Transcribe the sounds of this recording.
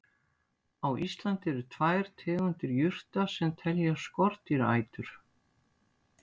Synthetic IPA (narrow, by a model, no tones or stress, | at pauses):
awʔist̪lant̪ɪɛɾʏt̪ʰvaːjɾ̥t̪ʰɛːɣʏnt̪ɪɾjʏr̥t̪asɛmt̪ʰɛljaskɔɾ̥t̪iɾa̰ːjt̪ʏɾ̥